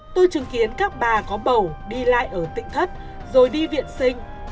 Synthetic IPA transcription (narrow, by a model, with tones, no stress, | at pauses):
t̪o˧jt͡ɕɨ˨˦ŋki˨˦ənkaː˦˥k̚ɓaː˨˩kɔ˨˦ɓə˨˩wɗi˧la̰ː˧˨jʔəː˧˩t̪ḭ̈˧˨ŋ̟t̪ʰə˦˥t̚ | zo˨˩jɗi˧vḭ˧˨ənsï˧ŋ̟